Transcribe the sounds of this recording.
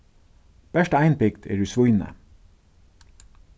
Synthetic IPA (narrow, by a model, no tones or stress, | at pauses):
b̥æʃʈəæɪnpʰɪkt̪ʰḛːɖʉːsʋʊʏnə̰